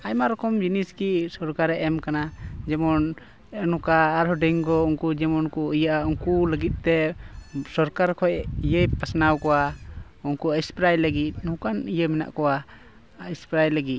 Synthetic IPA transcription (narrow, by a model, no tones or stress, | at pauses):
ajmaɾɔkɔmd͡ʒiniskisɔɾkaɾɛʔɛmkanad͡ʒɛmɔn | ɛnukaːɾɦɔɖɛŋɡɔuŋkud͡ʒɛmɔnkuəjəʔauŋkuləɡit̪̚ˀt̪ɛ | sɔɾkaɾkʰɔjijəjpasnawkɔwa | uŋkuəjspɾajləɡit̪̚nũkanijəmɛna̰ʔkɔwa | ispɾajləɡit̪̚